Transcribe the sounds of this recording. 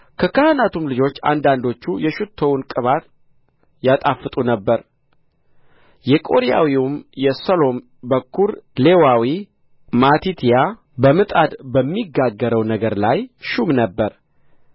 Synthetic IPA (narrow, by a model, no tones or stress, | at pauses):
kʰəkahanat̪umlɨd͡ʒo̞t͡ʃːa̰nd̪and̪o̞t͡ʃːujɛʃɨt̪ʰːo̞wnkʼɨβat̪ | jat̪ʼafːɨt̪ʼunəbːəɾ | jɛkʼo̞ɾija̰wiumjɛsolo̞m | bəkʰːuɾle̞wawi | mat̪it̪ʰija | bəmɨt̪ʼad̪bəmːiɡːaɡːəɾəwnəɡəɾlajʃumnəbːəɾ